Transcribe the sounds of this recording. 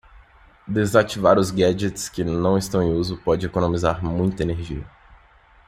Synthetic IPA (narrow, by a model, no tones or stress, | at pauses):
d̪ezat͡ʃivaɾʊzɡɛd͡ʒet̪skɪnɐ̃w̃ɪst̪ɐ̃w̃ẽuzʊpɔd͡ʒɪekonõmizaɾmũj̃t̪ɐeneɾʒiɐ